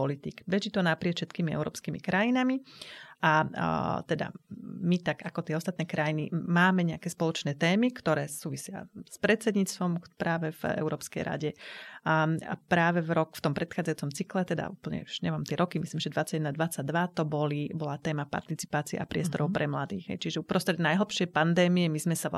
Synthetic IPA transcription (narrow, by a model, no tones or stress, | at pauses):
pɔlit̪ḭkbɛʒit̪ɔnapɾɪɛt̪fʃɛt̪kiːmiɛ̰ʊɾɔ̰ːpskiːmḭkɾajinamiat̪ɛd̪a̰mit̪aɡakɔt̪ɪɛɔst̪at̪nɛːkɾajinimaːmɛɲɛakɛːspɔlɔt͡ʃnɛːt̪ɛːmikt̪ɔɾɛːsuːʋisɪa̰spɾɛt͡sɛd̪ɲiːt͡st̪ʋɔmpɾaːʋɛvɛ̰ʊɾɔːpskɛ̰jɾʔa̰ɟɛ | apɾaːʋɛvɾɔkft̪ɔmpɾɛt̪xaːd͡zajuːt͡sɔmt͡siklɛt̪ɛd̪a̰ṵːpl̩ɲɛ̰uʒ̥ɲɛmaːmt̪ɪɛɾɔkimisliːmʒɛd̪ʋat͡saɟɛd̪nad̪ʋat͡saɟ̚d̪ʋat̪ɔbɔlibɔlat̪ɛːmapa̰ɾt̪it͡si̥paːt͡siɛ̰ʔa̰pɾɪɛst̪ɔɾɔʊpɾʔɛmlad̪ḭːɣɦɛ̰jt͡ʃiʒɛupɾɔst̪ɾɛd̪najɦl̩pʃɪɛjpand̪ɛːmiɛmizmɛsa